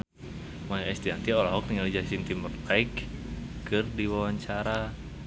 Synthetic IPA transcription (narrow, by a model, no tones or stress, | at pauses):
majaɛst̪iant̪iolaɦɔk̚t̪iŋalid͡ʒasint̪imərt̪aikkɨrdiwawaɲt͡ʃaɾa